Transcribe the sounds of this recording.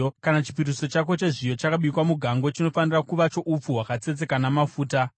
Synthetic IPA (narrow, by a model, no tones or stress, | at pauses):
kanat͡ʃi̥piriso̞t͡ʃako̞t͡ʃeʐijo̞t͡ʃakaɓikwamuɡʱaŋɡo̞t͡ʃino̞fanirakuʋat͡ʃo̞ʔup͡fuɦwakat͡se̞t͡se̞kanamafuːta